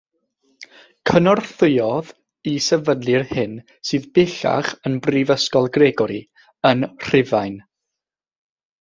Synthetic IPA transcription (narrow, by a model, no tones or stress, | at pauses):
kʰənɔrθɨjɔð | isɛvənlɨrhɪn | sɨːðbɪɬa̰χənbrivəskɔlˠɡreɡɔɾi | ənr̥ɪvajn